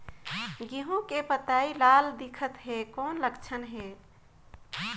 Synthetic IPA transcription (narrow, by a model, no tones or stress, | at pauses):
ɡiɦõkepət̪ailald̪ikʰət̪ɦekonləkt͡ʃʰənɦe